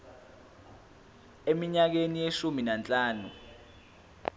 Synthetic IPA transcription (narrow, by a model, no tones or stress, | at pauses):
emiɲak̬enijeʃuminant͡ɬʼaːnu